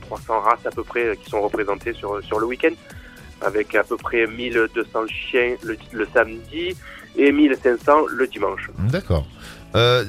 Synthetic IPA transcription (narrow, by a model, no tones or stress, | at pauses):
t̪χwasɑ̃ʁasapøpχɛkʲi̥sɔ̃ʁəpχezɑ̃t̪esyʁsyʁləwikʲɛ̃nd̪ | a̰vɛkapøpχɛmild̪øsɑ̃ʃjɛ̃lələsamd̪iemilsɛ̃sɑ̃ləd̪imɑ̃ʃd̪akɔ̰ːʁ | ø